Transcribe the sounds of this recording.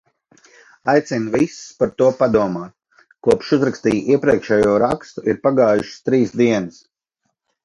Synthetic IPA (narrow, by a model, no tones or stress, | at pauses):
ajt̪sinvispaɾt̪uɔpad̪uɔmaːt̪̚ | kuɔpʃuzɾakst̪iːjiɛpɾiɛkʃɛːjuɔɾakst̪uʔiɾpaɡaːjuʃst̪ɾiːsd̪iɛnəs